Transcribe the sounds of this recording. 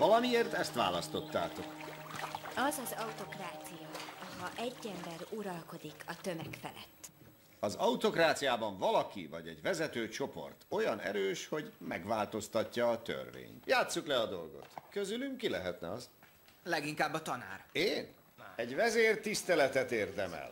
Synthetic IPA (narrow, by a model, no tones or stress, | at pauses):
vɒlɒmieːrt̪ɛst̪ʋa̰ːlɒst̪o̞t̪ːa̰ːt̪o̞k | ɒzɒzɒut̪o̞kraːt̪sijɒɒhɒʔɛɟːɛmbɛɾuɾɒlko̞d̪ikʰɒt̪ømɛkfɛ̰lɛ̰t̪ː | ɒzɒut̪o̞kraːt̪sijaːbɒɱvɒlɒkḭvɒɟɛɟʋɛzɛt̪øːt͡ʃo̞po̞̰rt̪o̞jɒnɛ̰ɾøːʃho̞ɟmɛɡʋaːlt̪o̞st̪ɒcːɒːt̪ø̰rvḛːɲt̪jaːt̪sːuklɛɒd̪o̞lɡo̞̰t̪køzylyŋkilɛɦɛt̪nɛ̰ɒz | lɛɡiŋkaːbːɒt̪ɒna̰ːreːn | ɛɟvɛzeːrt̪ist̪ɛlɛt̪ɛt̪eːrd̪ɛmɛ̰l